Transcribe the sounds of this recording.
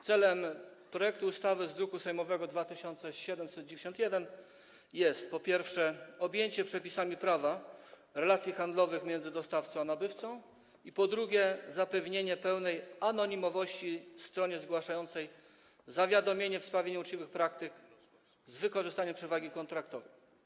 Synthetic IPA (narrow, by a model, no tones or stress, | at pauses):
t̪sɛlɛm | pɾɔjɛkt̪uːst̪avɘzd̪ɾukusɛjmɔvɛɡɔd̪vat̪ɘɕɔnt̪sɛɕɛd̪ɛmsɛd̪̚d͡ʑevʲeɕɔ̃nt̪ʲjɛd̪ɛn | jɛst̪pɔpʲjɛɾfʂɛɔbʲjeɲt͡ɕɛpʂɛpʲisamʲipɾava | ɾɛlat̪sʲjixand̪lɔvɘxmʲjɛnzɘd̪ɔst̪aft̪sɔ̃w̃anabɘft̪sɔ̃w̃ | ipɔd̪ɾuɡʲɛzapɛvɲeɲɛpɛwnɛjanɔɲimɔvɔɕt͡ɕist̪ɾɔɲɛzɡwaʂajɔnt̪sɛj | zavʲjad̪ɔmʲjeɲɛfspɾavʲeɲuut͡ʂt͡ɕivɘxpɾak̚t̪ɘk | zvɘkɔʐɘst̪aɲɛmpʂɛvaɡʲikɔnt̪ɾakt̪ɔvɛj